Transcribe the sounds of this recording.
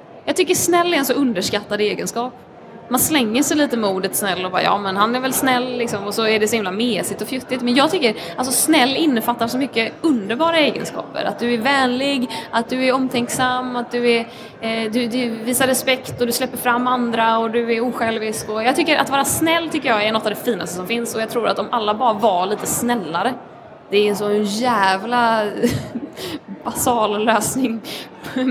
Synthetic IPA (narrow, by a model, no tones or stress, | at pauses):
jɑːt̪ʰʏkːəʂnɛlːɛɾɛnsɔɵnd̪əʂkat̪ːad̪əeːɡənskɑːp | manslɛŋːəʂɛjliːt̪əmuːd̪ət̪snɛlːɔbɑ̰ːɾ̰jɑ̰ːmɛnhanæɾvɛlsnɛlːɪksɔmɔsɔæɖɛsɔhɪmlameːsɪt̪ɔfjʏt̪ːɪt̪mɛnjɑːɡt̪ʰʏkːəɾ | ʔals̬ɔsnɛlːɪnːəfat̪ːasɔmʏkːəɵnd̪əɾbɑːɾaeːɡə̰nskɑ̰ːpə̰ɾa̰t̪̚d̪ɵæɾvɛːnlɪɡat̪̚d̪ɵæɾɔmːt̪ʰɛŋksamːat̪̚d̪ɵɛɾ | d̪ɵd̪ɛviːsaɾɛspɛkt̪ɔd̪ɵslɛpːəɾfɾamːand̪ɾaɔd̪ɵɛɾuːɧɛlvɪskɔjɑːɡt̪ʏkːəɾʔa̰t̪vɑːɾasnɛlːt̪ʰʏkːəjɑːɛnɔt̪ːavd̪ɛfiːna̰st̪əsɔmfɪnsɔjɑɡt̪ʰɾuːɾa̰t̪d̪ɔmʔalːabɑːɾavaɭiːt̪əsnɛlːaɾə | d̪̥ɛɾɛsɔjæːvla | b̥asɑːlløːsnɪŋ